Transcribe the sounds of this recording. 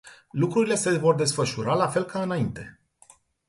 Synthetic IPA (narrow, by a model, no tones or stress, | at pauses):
lukɾuɾile̞se̞vo̞rd̪e̞sfəʃuɾalafe̞lkaɨnaint̪e̞̰